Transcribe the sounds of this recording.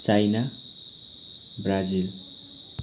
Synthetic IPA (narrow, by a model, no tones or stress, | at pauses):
t͡sajna | brad͡zil